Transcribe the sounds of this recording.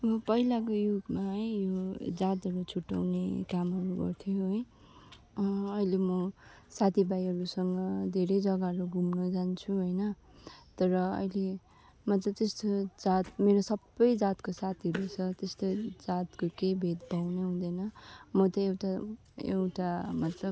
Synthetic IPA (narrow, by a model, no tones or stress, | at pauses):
ʌbʌpʌɦilakojuɡmaɦjod͡zat̪ʌɾut͡sʰuʈːʌ̰wnekamɦʌɾuɡʌ̰rt̪ʰjoɦʌj | ʌilemʌ | sat̪ʰibajɦʌɾusʌŋɡʌd̪ʱeɾʌjd͡zʌɡaɦɾuɡʱumnod͡zant͡sʰuɦojnʌ | t̪ʌɾʌʌ̰jle | mʌt̪lʌb̚t̪est̪od͡zat̪̚meɾosʌbːʌjd͡zat̪kosat̪ʰiʌɾut͡sʰʌt̪est̪od͡zat̪kokebʱet̪bʌwneɦũd̪ʌjnʌmʌt̪ʌewʈa | ḛwʈamʌt̪lʌ